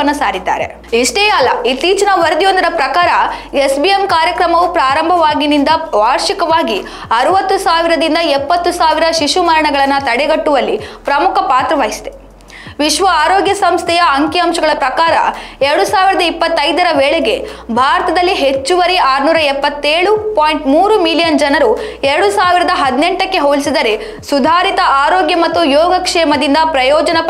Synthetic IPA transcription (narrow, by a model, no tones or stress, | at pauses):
ɐnːɐsaːɾid̪ːa̰ːɾe̞̰ | iʂʈeːjɐlːɐit̪ːiːt͡ʃɐnɐʋɐɾɐd̪ijond̪ɐɾɐpɾɐkaːɾɐesbiemkaːɾjɐkɾɐmɐʋupɾaːɾɐmbʱɐʋaːɡinind̪ɐbaːɾʃikɐʋaːɡi | ɐɾuʋɐt̪ːusaːʋiɾɐd̪ind̪ɐɛpːɐt̪ːusaːʋiɾɐʃiʃumɐɾɐɳɐɡɐɭɐnːɐt̪ɐɽɛɡɐʈːuʋɐlːipɾɐmukʰɐpaːt̪ɾɐʋaːjisd̪e | ʋiʃʋɐaːɾoːɡjɐsɐmst̪ʰɛjɐːŋkjɐɐmʃɐɡɐɭɐpɾɐkaːɾɐ̰ɛɾɐɽusaːʋiɾɐd̪ɐipːɐt̪ːɐjd̪ɐɾɐʋeːɭeɡe̞ | bʱaːɾɐt̪ɐd̪ɐlːiɦe̞t͡ʃːuʋɐɾiaːɾnuːɾɐɛpːɐt̪ːeːɭupoːjɳʈmuːɾumilijɐnd͡ʒɐnɐɾuɛɾɐɽusaːʋiɾɐd̪ɐɦɐd̪neɳʈɐkːe̞ɦoːlisid̪ɐɾe | sud̪ʱaːɾit̪ɐʔaːɾoːɡjɐmɐt̪ːujɔːɡɐkʂɛːmɐd̪ind̪ɐpɾɐjɔːd͡ʒɐnɐ